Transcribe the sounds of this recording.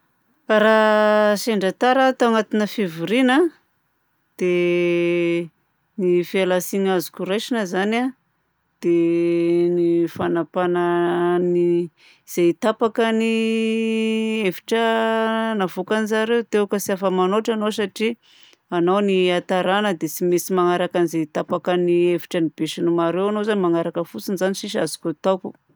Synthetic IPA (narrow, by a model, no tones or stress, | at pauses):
ɾaseɳɖ͡ʐat̪aɾat̪aŋat̪inəfivuɾina | d̪̥e | nifialasiɲazu̥kuɾajʃinəzana | d̪̥e | nifanapanani | z̥et̪apakəni | efi̥ʈ͡ʂə | navokanizaɾewt̪ewkəsiafəmanoʈ͡ʂanosaʈ͡ʂi | anowniat̪aɾanəd̪et͡simesimaŋaɾakanizeit̪apakaniefi̥ʈ͡ʂənib̥eʃanumaɾewanozanimaŋaɾakəfut͡sinizaniʃiʃa̰zu̥kʲut̪awku